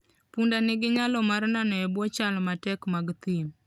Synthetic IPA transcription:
pundanɪɡɪɲalɔmarnanɔɛbwɔt͡ʃalmatɛkmaɡt̪im

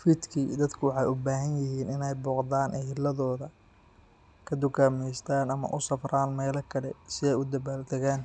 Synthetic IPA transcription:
fɪd̪kʰid̪ɐd̪kʰʊwɑħɑjʊbaːɦɐnjɪɦiːnɪnɛjbɔːqd̪aːnʔɛhɪlɐðɔːðɐ | kʰɐd̪ʊkʰaːmɛjst̪ʰaːnɐmɐ̰ʔʊsɐfraːnmɛːlɐkʰɐlɛsɪðɛjʊd̪ɐβaːld̪ɐɣaːn

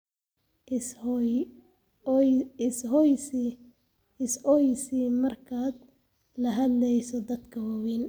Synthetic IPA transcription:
ɪshɔjs | ɪsɔjsimɐrkʰaːd̪ | lɐɦɐd̪lɛjsɔd̪ɐd̪kʰɐwɐwiːn

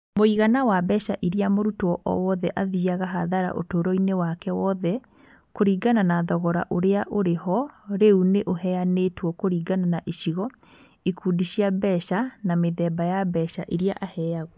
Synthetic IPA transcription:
moiɣanawabɛʃaʔiɾiamoɾutoɔʔɔ̰wɔðɛʔaðiaɣaɦaðaɾa̰ʔo̰toːɾɔinewakɛwɔðɛ | koɾiːɡananaðɔɣɔɾa̰ʔoɾeaʔoɾehɔɾeuneʔoɦɛanetwɔkoɾiːɡananaʔeʃiɣɔ | ikuːdiʃiabɛʃanameðɛbajabɛʃaʔiɾiaʔahɛaɣɔ

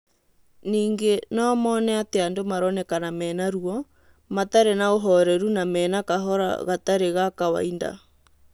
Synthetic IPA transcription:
niːŋɡenɔmɔːnɛateandomaɾɔnɛkanamɛːnaɾuɔ | mataɾenaoɦɔɾɛɾunamɛːnakaɦɔɾa̰ɣataɾeɣakawa̰inda̰

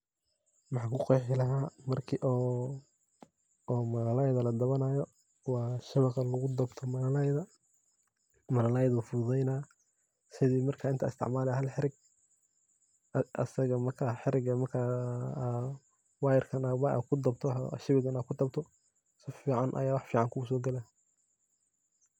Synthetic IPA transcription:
wɑħɑːkʊqɔjħɪlɐɦaːmɐrkʰiʔɔː | mɐnɐlɐjðɐlɐd̪ɐβɐnajɔ | wɑːʃɪβɑqɑlɐɣʊd̪ɐbt̪ʰɔmɐnɐlɐjðɐ | mɐnɐlajðʊfʊðɛjnaː | sɪðiːmɐrkʰaːɪnt̪ʰɪ̰st̪ʰɪ̰ʕmaːlɛɦɐlħɪɾɪɡ̚ | ɐ̰sɐɣɐmɐrkʰaːħɪɾɪɡɐmɐrkʰa | wɑːjɪrkʰɐnawaʔkʰʊd̪ɐbt̪ʰɔ̰ʃɪβɪɡɐnakʰʊd̪ɐbt̪ʰɔ | sɪfiːʕɑnʔɐ̰jaːwɑħfiːʕɑŋkʰʊʊs̬ɔːɡɐlɛ

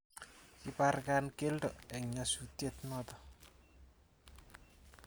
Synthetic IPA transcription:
iparkankeldɔɛɲasutjetnɔtɔ

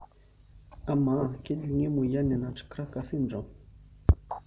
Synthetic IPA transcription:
amakeʎŋemujanenaʈ͡ʂkɾakasinʈ͡ʂo

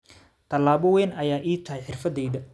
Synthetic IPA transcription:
t̪ʰɐlaːβɔwɛːnɐjaːʔiːt̪ʰɐɦɛjħɪrfɐd̪ɛjðɐ

